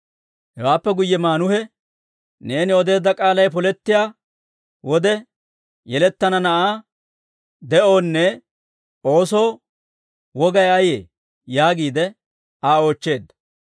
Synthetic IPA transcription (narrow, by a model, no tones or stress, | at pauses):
hɛwaːpːɛɡʊjːɛmaːnʊhɛ | ne̞ːnɪɔd̪e̞ːd̪ːɐkʼaːlɐjpɔlɛt̪ːɪjaː | wɔd̪ɛ | jɛlɛt̪ːɐnɐnɐʔaː | d̪ɛʔo̞ːnːɛ | o̞ːsoː | wɔɡɐjɐjḛː | jaːɡiːd̪ɛ | aːo̞ːt͡ʃːe̞ːd̪ːɐ